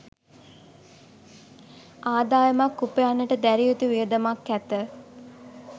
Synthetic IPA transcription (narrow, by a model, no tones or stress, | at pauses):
aːd̪aːjəmakːupəjanːəʈəd̪æɾiot̪uʋijəd̪əmakːæt̪ə